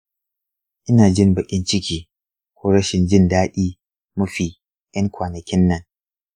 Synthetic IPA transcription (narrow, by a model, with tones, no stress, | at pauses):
ʔɪ˦naː˨d͡ʒɪ˦mbɐ˨ʔʲʼɪ˦nt͡ʃɪ˦kʲiː˨ | kʷoː˦ɾɐ˦ʃɪ˨nd͡ʒɪ˦ndaː˦ɗiː˦ | mʊ˦ɸiː˨ | jɐ˦ŋkʷaː˨nɐ˨kʲɪ˦nːɐ˨ŋ